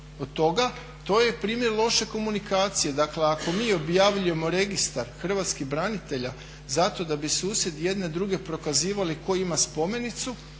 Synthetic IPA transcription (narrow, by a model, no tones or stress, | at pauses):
od̪̚t̪o̞ɡa | t̪o̞ːjepɾiːmjeɾlˠo̞ʃe̞ko̞munikaːt̪sije̞d̪akle̞ako̞miːo̞bjaʋʎuje̞mo̞ɾe̞ɡist̪aɾxr̩ʋat̪skixbɾanit̪e̞ʎa | zat̪o̞d̪abisuːsje̞d̪je̞d̪ne̞d̪ɾuɡe̞pɾo̞kaziːʋaliko̞imaspo̞me̞nit̪su